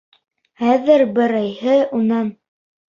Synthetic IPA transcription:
χæðɘɾbɘ̆ɾɤjhɘunɑn

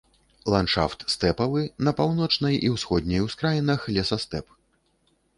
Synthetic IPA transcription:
lˠanʂa̰ft̪st̪ɛpɐvɨnɐpawn̪ɔt͡ʂnɐjʔiwsxɔd̪̚ʲnʲɐjwskɾajinɐxlʲɛsɐst̪ɛp

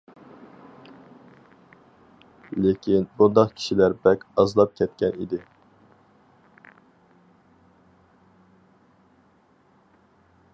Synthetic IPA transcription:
lɪkʲʰinbund̪ɑqkʲʰi̥ʃilæɾbɛkʲɑzlˠɑp̚kʲʰɛt̪̚kʲʰɛnḭd̪ɪ

